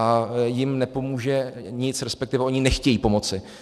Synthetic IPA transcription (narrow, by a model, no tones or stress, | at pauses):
ajɪmnɛpo̞muːʒɛɲɪt͡sɾɛspɛkt̪ɪvɛʔo̞ɲɪnɛxcɛjiːpo̞mo̞t͡sɪ